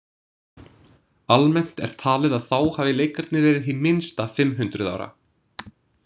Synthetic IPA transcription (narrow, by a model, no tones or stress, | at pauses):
almɛn̥t̪ɛ̰ɾ̥t̪ʰaːlɪðaðθawhaːvɪleːjkaɾt̪nɪvɛːɾɪɦimɪnst̪afɪmːɦʏnt̪ɾʏða̰wɾa̰